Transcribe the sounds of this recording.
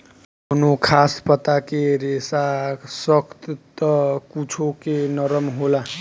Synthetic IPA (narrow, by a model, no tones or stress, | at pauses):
onokʰaspʌt̪akeɾesasʌkt̪t̪ʌkut͡sʰokenʌɾʌmɦola